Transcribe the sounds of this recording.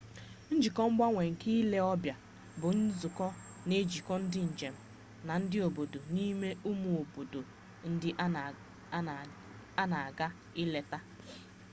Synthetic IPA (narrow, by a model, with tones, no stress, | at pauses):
n̩˦d͡ʒi˨kɔ˦ŋ͡m̩˦ɡ͡ba˦ŋʷe˨ŋ̩˨ki˦le˦ɔ˦bja˨ | bʊ˨n̩˦zʊ˨kɔ˦ | ne˦d͡ʒi˨kɔ˦n̩˦dɪ˦n̩˨d͡ʒe˨m̩˨ | na˨n̩˦dɪ˦o˨bo˨do˨ni˦me˦u˦mu˨o˨bo˨do˨ | n̩˦dɪ˦ | a˦na˨a˨ɡa˦ | ɪ˦le˨ta˦